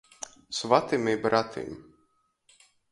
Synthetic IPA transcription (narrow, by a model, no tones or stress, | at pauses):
svat̪imibɾat̪ʰḭm